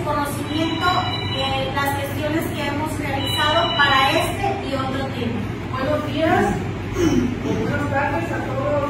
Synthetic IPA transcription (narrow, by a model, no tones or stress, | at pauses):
konoθimjẽnt̪o | elaslestjoneskeemosrealiθaðopaɾaest̪eiot̪ɾot̪emo | majlozðias | βwenozɣɾaɾðesat̪oðo